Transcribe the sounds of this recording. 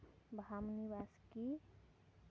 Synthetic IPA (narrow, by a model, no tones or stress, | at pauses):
bʱamniʋaːski